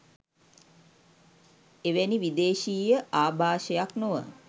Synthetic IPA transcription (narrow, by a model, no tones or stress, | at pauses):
eʋæniʋid̪eːʃiːjəʔaːbʱaːʃəjaknoʋə̰